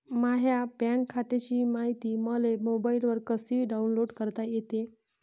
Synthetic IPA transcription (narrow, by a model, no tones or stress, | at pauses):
maɦjapaɳkʰat̪et͡ɕiːmaɦit̪iːməlemobailʋəɾkəsiːɖaunloɽkəɾt̪ajet̪e